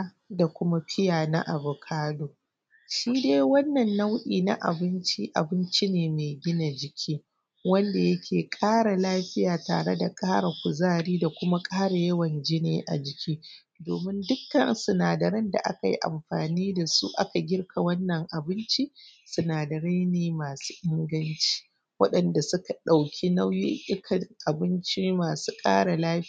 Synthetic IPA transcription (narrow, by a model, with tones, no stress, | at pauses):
da˨kʷʊ˦ma˦ɸɪ˦jaː˨na̰˦ʔa˨bʊ˨kʰaː˦doː˨ | ʃiː˦deː˦jwɐ˦nːɐ˨nːa˦wʔiː˨na̰˦ʔa̰˨bɪ˦nt͡ʃi˦ʔa̰˨bɪ˦nt͡ʃi˦neː˨me˨ɡʲɪ˦na˨d͡ʒɪ˨kʲʰiː˦ | wɐ˦nda˨jɐ˦kʲeː˨kʼaː˦ɽa˨laː˦ɸɪ˦jaː˨ta̰ː˨ɽe˦da˨kʼaː˦ɽa˨kʷʊ˨zaː˦ɽiː˦da˨kʷʊ˦ma˦kʼaː˦ɽa˨jɐ˦wɐ˨nd͡ʒi˦nḛː˦ʔa̰˨d͡ʒɪ˨kʲiː˦ | doː˨mɪ˦ndʊ˦kːɐ̰˨nsʊ˨naː˨dɐ˨ɾɐ˦nda̰˨ʔa̰˦ka˨ji˦ʔa̰˨mɸaː˨niː˦da˨su˦ʔa̰˦ka˨ɡʲɪ˦rkʰa˨wɐ˦nːɐ˨ŋʔa˨bɪ˦nt͡ʃi˦sʊ˨naː˨dɐ˨ɾa˦jneː˨maː˨su̥ː˦ʔɪ˦ŋɡɐ˦nt͡ʃi̥ː˦ | wɐ˦ɗɐ˨nda˨sʊ˦ka˨ɗa˨wkʲʰi˦na˦wji˦ʔʲʼɪ˦kʰɐ˨ŋʔa˨bɪ˦nt͡ʃi˦maː˨su̥ː˦kʼa̰ː˦ɽa˨laː˦˨